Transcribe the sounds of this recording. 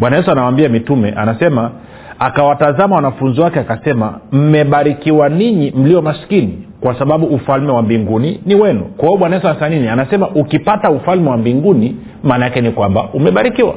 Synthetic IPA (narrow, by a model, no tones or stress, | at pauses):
ɓwanajɛsuanawambiamitumɛ̰ʔa̰nasɛma | akawatazamawanafunziwakɛakasɛma̰m̩mɛɓaɾikiwaniɲim̩liɔmaskinikwasaɓaɓuːfalmɛwambiŋɡuniniwɛnṵkwaɔɓwanajɛsuanasɛmaninianasɛmaʔukipataufalmɛwambiŋɡuni | maːnajakɛnikwamba̰umɛɓaɾikiwa̰